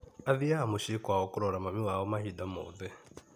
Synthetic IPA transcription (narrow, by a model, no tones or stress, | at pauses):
aðijahamuʃikwaɔkuɾɔɾamamiwawɔmahidamo̰ðɛ